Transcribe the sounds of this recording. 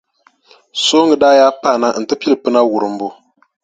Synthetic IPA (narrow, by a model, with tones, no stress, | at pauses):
so˦ŋɡɨ˨daː˦ja˦pa˦˨na˦n̩˨tɨ˦pi˦lɨ˨pɨ˦na˦wu˨ɾɨ˨m̩˨˦bu˦